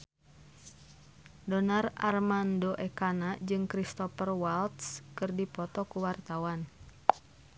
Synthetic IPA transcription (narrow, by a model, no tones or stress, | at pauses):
dɔnararmandoʔɛkanad͡ʒɨŋkɾist̪ɔpərwalt̪skɨrdipɔt̪ɔkuwart̪awan